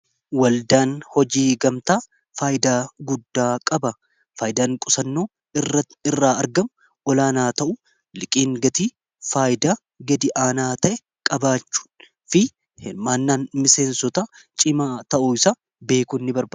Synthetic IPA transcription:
wɐld̪aːnhɔd͡ʒiːɡɐmt̪aː | faːjɪd̪aːɡʊd̪ːaːkʼɐbɐ | faːjɪd̪aːŋkʼʊsɐnːoː | ɪrːɐt̪ɪrːaːɐɾɡɐm | ɔlaːnaːt̪ɐʔʊ | lɪkʼiːŋɡɐt̪iː | faːjd̪aː | ɡɐd̪ɪʔaːnaːt̪ɐʔɛ | kʼɐbaːt͡ʃːu̥ːn | fɪ | hɪɾmaːnːaːnmɪse̞ːnsɔt̪ɐ | t͡ʃʼɪmaːt̪ɐʔʊɪsa | be̞ːkʊnːɪbɐɾba

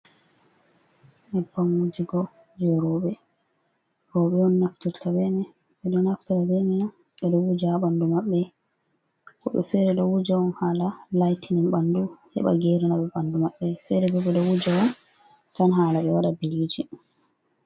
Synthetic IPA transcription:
ʔɛbamːud͡ʒiɡɔ | d͡ʒɛɾɔɓɛ | ɡɔɓɛwɔnːaftiɾtʰabɛnɛ | ɓɛɗɔnaftiɾabɛnɛnan | ɓɛɗɔwud͡ʒaɓandumaɓːɛ | kɔ̰ɓɛ̰fɛɾɛɗɔwud͡ʒawɔnhaːlalajtininɓanduhɛ̰ɓa̰ɡɛɾɛnaɓɛɓandumaɓːɛfɛɾɛɡɔbɛɗɔwud͡ʒawɔn | tanɦalaɓɛwaɗabilid͡ʒi

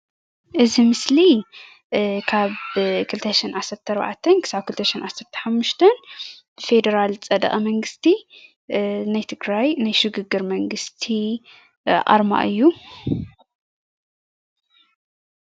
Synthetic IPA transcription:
ʔɨzimɨsli | kʰaβkʰɨlt̪ʰɐʃnʕasɐɾt̪ʰɐɾβ̰ʕat̪ʰɐnkʰɨ̥saβkʰɨlt̪ʰɐʃnʕasɐɾt̪ʰɐ̥ħamːuʃt̪ʰɐnbɨfe̞d̪ɐɾalt͡sʼɐd̪ɐ̰χʼɐmɐŋɡɨst̪i | najt̪ʰɨɡɾajnajʃɨɡɨɡɨɾmɐŋɡɨst̪ʰi | ʔa̰ɾma̰ʔɨjːu

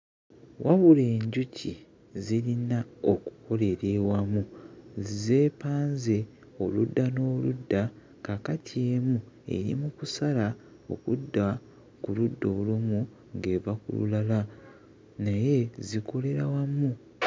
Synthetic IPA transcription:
wʔaβule̞ːɲɟucʰi | ziɾinao̞ku̥kʰo̞le̞ɾewamu | zeːpaːnze̞ | o̞ludːano̞ːlṵdːa | kakatʰije̞ːmu | e̞̰ɾḭmukusala | o̞̰kudːa | kuludːo̞ːlumu | ŋɡe̞vakṵlṵlala | naje̞ziko̞le̞ɾawamu

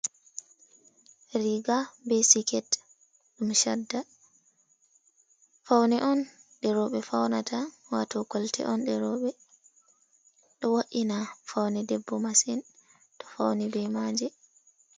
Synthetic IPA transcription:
ɾiɡabɛsikɛt | ɗumʃadːa | fawnɛʔɔnɗɛɾɔɓɛfawnatʰawatɔkɔltʰɛ̰ʔɔnɗɛɾɔɓɛ | ɗɔwaʔinafawnɛdɛbːɔmasin | tɔ̥fa̰wnɛbɛmaːd͡ʒɛ

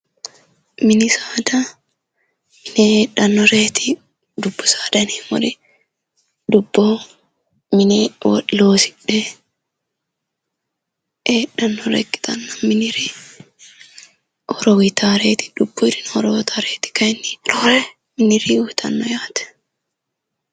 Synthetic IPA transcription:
mɪnɪsaːd̪ɐ | mɪnɛeːᶑɐnːɔɾeːt̪ɪ | d̪ʊb̥ːʊsaːd̪ɐneːmɔ̰ɾɪ | d̪ʊbːɔ | mɪnewɔ̰loːsɪᶑɛ | ʔeːᶑɐnːɔɾɛ̰kːɪ̥t̪ɐ̰nːɐmɪnɪɾi | hɔɾɔwit̪aːɾeːt̪ɪ̥d̪̥ʊbːʊɾɪnhɔɾot̪ʰaɾeːt̪ɪ̥kɐnːi | mɪnɪɾiut̪ʰɐ̰nːɔjaːt̪ɛ̥

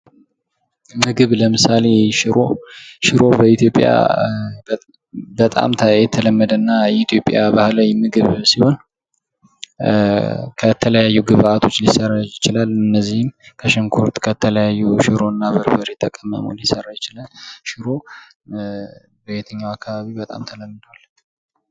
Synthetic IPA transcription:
mɨɡɨβləmɨsale̞ʃɪɾo̞ʃɪɾo̞bəit̪ʰjo̞pʼja̰b | bət̪ʼa̰mt̪ʰjɛt̪ʰələmːəd̪ənːajɛit̪ʰjo̞pʼja̰bahlajmɨɡɨβsiho̞n | kʰət̪ʰələjajːuɡɨβat̪ʰo̞t͡ʃːlisəɾajɪt͡ʃɪlalɨnːəzːihɪmkʰəʃɪŋkʰuɾt̪kʰət̪ʰələjajːuʃɪɾo̞nːaβəɾbəɾjɛt̪ʰːəkʼəmːə̰mṵlisərajɪt͡ʃɪlənʃɪɾo̞ | bəet̪ʰəɲːawakʰːaβaβibət̪ʼa̰mt̪ʰələmːɨd̪wal

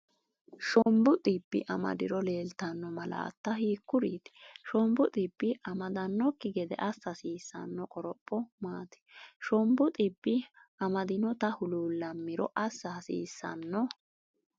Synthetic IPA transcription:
ʃɔmbʊt̪ʼɪbːɪ̰ʔɐmɐ̰d̪ɪɾɔle̞ːlt̪ɐnːɔmɐlʔa̰ːt̪ːɐhiːkːʊɾiːt̪ʃɔmbʊt̪ʼɪbːɪʔɐmɐd̪ɐnːɔkːɪɡɛd̪ɛ̰ʔɐsːɐsiːsːɐ̰nːɔkʼɔɾɔpʼːɔmaːt̪ɪ̥ʃɔmbʊt̪ʼɪbːɪʔɐmɐd̪ɪnɔt̪ɐhʊluːlːɐmːɪɾɔ̰ʔɐsːɐsḭːsːɐ̰nːɔ

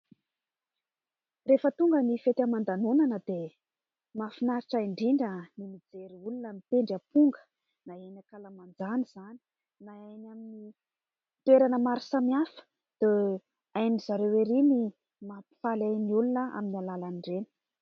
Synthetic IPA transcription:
refət̪uŋɡənifet̪amand̪anonanəd̪e | mafinaɾiʈ͡ʂaiɳɖ͡ʐiɳɖ͡ʐənimid͡zeɾiulunəmit̪eɳɖ͡ʐapuŋɡə̥ | naenakalamand͡zaniz̥ani̥ | naajnamini | t̪weɾanəmaɾisamiafə̥ | d̪̥e | ajnizaɾeweɾini | mapi̥falajniulunəa̰minialalanɳɖ͡ʐeni̥

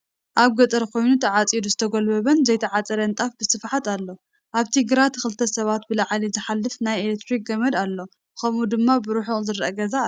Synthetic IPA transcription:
ʔaβɡɐt̪ʼɐɾkʰo̞jnut̪ʰɐʕat͡sʼid̪uzɨt̪ʰɐɡolbɐβɐnzɐjt̪ʰɐʕat͡sʼɐɾɐɨnt̪ʼafbɨsɨfħat̪alːo̞ | ʔaβt̪ʰiɡɨɾat̪kɨlt̪ʰɐsɐβat̪̚bɨlaʕalizɨħalːɨfnajelet̪ːɾik̚ɡɐmɐd̪alːo̞ | kɐmud̪ɨmːabɨɾuħuzɨɾʔɐɡɐza

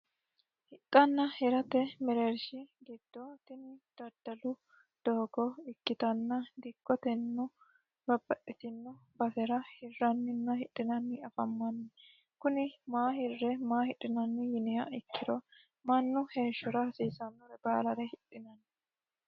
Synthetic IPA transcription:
hɪt̪ʼːɐnːɐhɪɾɐt̪ɛmɛɾeɾʃɪɡɛd̪̥ːot̪ɪnɪd̪̥ɐd̪̥ɐlʊ | d̪̥oːɡɔɪkːɪt̪ɐnːɐd̪ɪkːɔt̪ɛnːʊ | bɐbːɐʔːɪt̪ɪnːɔb̥ɐfɛɾɐhɪrːɐnːɪnːɐhɪᶑʼːɪnɐnːɪɐfɐmːɐnːɪ | kʊnɪmaːhɪrːɛmaːhɪᶑʼɪnɐnːɪjɪnɪjɐɪkːɪɾɔ | mɐnːʊheːʃːɔɾɐhɐsiːsɐnːʊɾɛbaːlɐɾɛhɪᶑɪnɐn

